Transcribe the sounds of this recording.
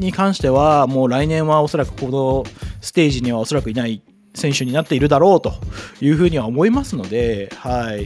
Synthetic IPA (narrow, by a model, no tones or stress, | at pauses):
ɲ̟ikãɰ̃ɕi̥t̪e̞β̞amo̞ːɾainẽ̞ɰ̃βao̞so̞ɾakɯ̟̥ko̞no̞sɨ̥t̪e̞ːʑiɲ̟iβ̞ao̞so̞ɾakɯ̟inai | sẽ̞ɰ̃ɕɨɲ̟inat̪ːe̞iɾɯ̟d̪aɾo̞ːt̪o̞jɯ̟ːɸɯ̟ːɲ̟iβaomo̞imasɨno̞d̪e̞haii